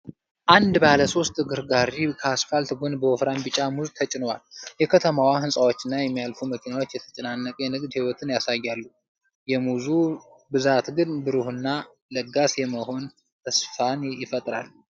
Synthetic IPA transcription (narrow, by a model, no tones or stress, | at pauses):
ʔand̪baləso̞st̪ʼɡɨɾɡaɾikʰəasfalt̪ɡonbəɔfɾanbɨt͡ʃʼamuzt̪ʰət͡ʃʼɪnwa̰ljɛkʰət̪ʰəmawaɦɨnsʼawo̞t͡ʃːɪnːajɛmːijalfuməkʰinawo̞t͡ʃːjɛt̪ʰə̥t͡ʃʼɛnanːəkʼjɛnɨɡd̪hiwɔt̪ʰɨnjasajːalːu | jɛmuzu | bɨzat̪ɡɨnbɨɾuhɨnːa | ləɡasjɛməho̞n | t̪ʰəsfanjɪfət̪ʼɾa̰lː